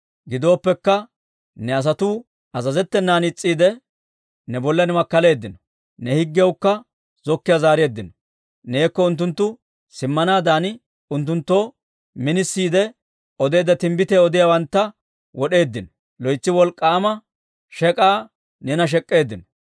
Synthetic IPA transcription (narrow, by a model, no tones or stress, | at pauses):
ɡɪd̪o̞ːpːɛkːɐ | nɛɐs̬ɐt̪ʊ | ɐzɐzɛt̪ːɛnːaːnɪt͡sʼːiːd̪ɛ | nɛbɔlːɐnɛmɐkːɐle̞ːd̪ːɪnɔ | nɛhɪɡːɪjɛwkːɐ | zɔkːɪjazaːɾɪe̞ːd̪ːɪnɔ | ne̞ːkːɔʊnt̪ːʊnt̪ːʊ | sɪmːɐnaːd̪aːn | ʊnt̪ːʊnt̪ːo̞ː | mɪnɪsːiːd̪ɛ | ɔd̪e̞ːd̪ɐt̪ɪmbɪt̪eːɔd̪ɪjawɐnt̪ːɐ | wɔɗe̞ːd̪ːɪnɔ | lɔjt͡sːɪwɔlkʼːaːmɐ | ʃɛkʼaː | nɛnɐʃ̬ɛkʼːe̞ːd̪ːɪnɔ